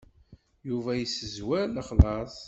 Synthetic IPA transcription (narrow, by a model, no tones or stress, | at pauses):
juvæjəsəzwæləχlɑsˤ